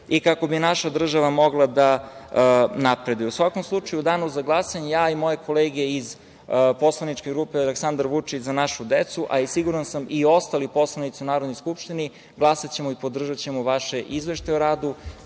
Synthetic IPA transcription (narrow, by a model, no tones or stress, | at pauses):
ikako̞binaʃad̪r̩ʒaʋamo̞ɡlˠad̪a | napɾe̞d̪ujɛusʋako̞mslˠut͡ʂajud̪aːnuzaɡlˠasaɲejaːimo̞je̞kʰo̞leːɡe̞iz | po̞slˠanit͡ʃke̞ɡɾupealeksand̪aɾʋut͡ʂit͡ɕzanaʃud̪et̪suʔa̰isiɡuɾansamio̞st̪alipo̞slˠanit̪iunaːɾod̪no̞jskupʃt̪ini | ɡlˠasat͡ɕe̞moipo̞d̪r̩ʒat͡ɕemoʋaʃe̞ʔizʋeʃt̪ajoɾaːd̪u